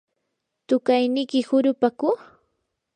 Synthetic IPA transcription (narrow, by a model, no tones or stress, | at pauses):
t̪ʊkajnɪkɪhʊɾʊpakʊ